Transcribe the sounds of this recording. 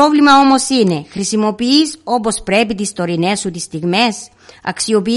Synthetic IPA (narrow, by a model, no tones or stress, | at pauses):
o̞vlimɐo̞mo̞sine̞xɾisimo̞piiso̞po̞spɾe̞pit̪ist̪o̞ɾine̞sːut̪ist̪iɣme̞s | ɐ̰ksio̞pi